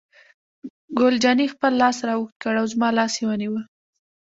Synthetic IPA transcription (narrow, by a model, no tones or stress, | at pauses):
ɡʊld͡ʒɑnixpəlːɑsɾɑwuxt̪̚kəɽawzmɑlɑsjewəniwə